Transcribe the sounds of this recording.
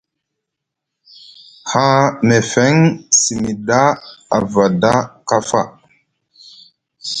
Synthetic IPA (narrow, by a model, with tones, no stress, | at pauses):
ha˦me˨fe˦ŋsi˨mi˨da˦a̰˨va˨da˦ka˦fa̰˦˨